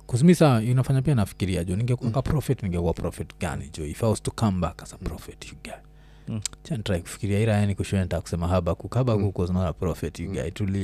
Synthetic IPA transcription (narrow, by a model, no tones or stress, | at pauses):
kus̬misaaunafaɲapiainafi̥kiɾiad͡ʒuːniŋɡɛkuakapɾɔfɛtniŋɡɛkuapɾɔfɛtɡa̰nḭd͡ʒuifaustukambakḁsḁpɾɔfɛtjuɡai | t͡ʃanitɾaiku̥fi̥kiɾiaiɾajanikuʃuɛntaku̥sɛmaɦabakukaɓakukɔzinaɔlapɾɔfɛtjuɡa̰ituli